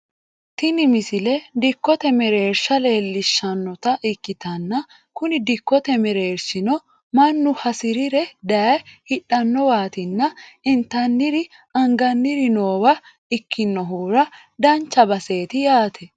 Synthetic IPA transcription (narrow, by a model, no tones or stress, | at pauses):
t̪ɪnɪmɪsɪlɛd̪ɪkːɔt̪ɛmɛɾe̞ːɾʃɐle̞ːlːɪʃːɐnːɔt̪ɐʔɪkːɪt̪ɐnːɐ | kʊnɪd̪ɪkːɔt̪ɛmɛɾe̞ːɾʃɪnɔ | mɐnːʊhɐsɪɾɪɾɛd̪ɐhɪɗːɐnːɔwaːt̪ɪnːɐɪnt̪ɐnːɪɾɪ | ɐŋɡɐnːɪɾɪno̞ːwɐ | ɪkʰːɪnːɔɦuːɾɐ | d̪ɐnt͡ʃːɐbɐse̞ːt̪ɪjaːt̪ʰɛ